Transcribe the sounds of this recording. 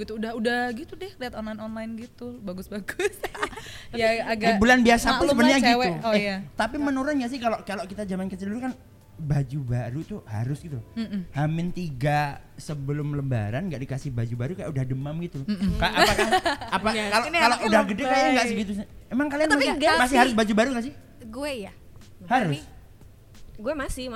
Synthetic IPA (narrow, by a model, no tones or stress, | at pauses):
ɡit̪uːdahudahɡit̪udɛhliat̪ɔnlajnɔnlaɪnɡit̪ubaɡʊsbaɡʊs | jaaɡaibulanbiasapəlobənaɡiwuat̪apimənuɾanjaʔs̬ɪhkalokaloʔkit̪ad͡ʒamankət͡ʃilɾkan | bad͡ʒubaɾut̪uha̰ɾʊsɡit̪uhamɪnt̪iɡasəbəlʊmləmba̰ɾanɡaʔdikasɪhbad͡ʒubaɾukaja̰ʔudahdəmamɡit̪ukaʔapakaapakaloaloʔudahɡədɛkajaŋɡaʔsɪɡit̪usɪemaŋkalianmaɡamasɪhaɾʊsbad͡ʒubaɾukas̬ɪh | ɡuɛja | haɾʊs | ɡuɛmasɪ